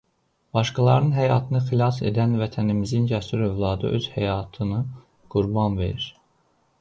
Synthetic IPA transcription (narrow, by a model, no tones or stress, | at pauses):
b̥ɑʃkɑlˠɑɾɯnɦæjɑːt̪ʰɯnɯxilˠɑse̞̰d̪ænvæt̪ʰænimizind͡ʒæsyɾø̞vlˠɑːd̪ɯ̰ʔø̞z̥hæjɑːt̪ʰɯnɯ | ɡ̥uɾbɑnve̞̰ɾiɾ